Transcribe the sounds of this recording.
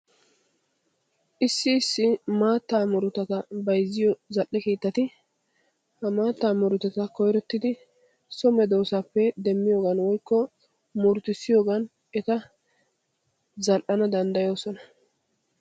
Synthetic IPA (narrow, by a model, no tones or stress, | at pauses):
ʔɪsːɪːsːɪmaːt̪ːaːmɔɾʊt̪ːɐt̪ɐbɐjzːɪjɔzɐlʔːɛkeːt̪ːɐt̪ɪ | hɐmaːt̪ːaːmʊɾʊt̪ɐt̪ɐkɔjɾɛt̪ːɪd̪ɪ | sɔmɛd̪oːsapːɛd̪ɛmːɪjo̞ːɡɐnwɔjkːɔ | muɾt̪ɪsːɪjoːɡɐn | ɛt̪ɐ | zɐlʔɐnɐd̪ɐnd̪ɐjo̞ːsɔnɐ